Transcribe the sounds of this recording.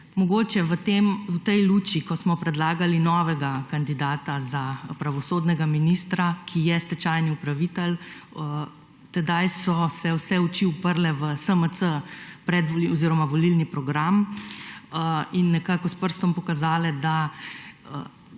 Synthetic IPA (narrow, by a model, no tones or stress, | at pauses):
mɔɡoːt͡ʃɛʋət̪emwt̪ɛjluːt͡ʃikɔsmɔpɾɛd̪laːɡalinɔːʋɛɡakand̪id̪aːt̪azapɾaʋɔsoːd̪nɛɡaminist̪ɾakʰijɛst̪ɛt͡ʃajniupɾaʋiːt̪ɛlə | t̪ɛd̪ajsɔsɛwsɛut͡ʃiupəɾlɛʋəsəməsəpɾɛd̪ʋɔliɔziːɾɔmaʋɔlilnipɾɔɡɾam | inːɛkaːkɔspəɾst̪ɔmpɔkazaːlɛd̪a | ə